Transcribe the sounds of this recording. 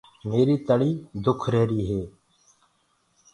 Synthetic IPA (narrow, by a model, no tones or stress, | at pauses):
meːɾiːt̪əɽiːd̪ʊkʰɾeːɾiːɦeː